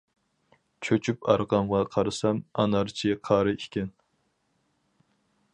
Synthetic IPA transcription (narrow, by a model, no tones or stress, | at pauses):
t͡ʃʰøt͡ʃʰypɑɾʁɑmʁɑqʰɑɾɨsɑmɑ̰nɑɾt͡ʃʰiqʰɑɾɨikʲʰɛn